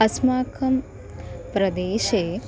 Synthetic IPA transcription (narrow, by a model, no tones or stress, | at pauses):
ɐsmaːkʰəm | pɾɐd̪eːʃe